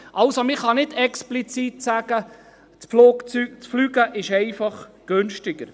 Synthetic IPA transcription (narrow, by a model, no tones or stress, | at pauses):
ʔɑlsomɪχɑnɪdɛksplit͡sit̪sæɡ̥ə | t͡spfluːkt͡syk̚t͡sflyɡəʔɪʃɛɪfɑχɡ̥ønʃtɪɡ̥əɾ